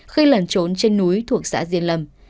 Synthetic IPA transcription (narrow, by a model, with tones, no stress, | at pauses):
xi˧lə˨˩nt͡ɕo˨˦nt͡ɕe˧nːu˨˦jt̪ʰu˨˩ək̚sa̰ː˧˥zi˧ənlə˧˩m